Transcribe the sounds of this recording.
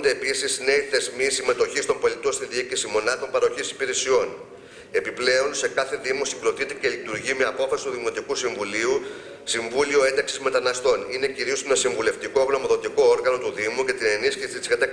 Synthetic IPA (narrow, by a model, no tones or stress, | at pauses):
nd̪e̞ːpisizne̞iθe̞zmisime̞t̪o̞çist̪o̞mbo̞lit̪o̞nst̪iðiikisimo̞nɐt̪o̞mpɐɾɐo̞çisi̥piɾe̞sio̞n | e̞piple̞o̞nse̞kɐθe̞ðimosiɡɾo̞t̪it̪e̞ce̞lit̪uɾʝime̞ɐpo̞fɐsi̥t̪uðimo̞t̪ikusiɱvuliu | siɱvulio̞e̞nd̪ɐksizme̞t̪ɐnɐst̪o̞nine̞ciɾio̞senɐsiɱvule̞ft̪iko̞ɣno̞moðo̞t̪iko̞oɾɣɐno̞t̪uðimuce̞t̪ine̞nisçisit̪i̥zkɐt̪ɐk